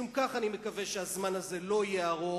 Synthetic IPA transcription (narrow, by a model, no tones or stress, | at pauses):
umkaχanimekave̞ʃeazmanaze̞lo̞ijjeaʁo